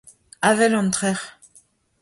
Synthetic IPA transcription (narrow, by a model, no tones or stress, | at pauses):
avɛlɑ̃nt̪χɛʁ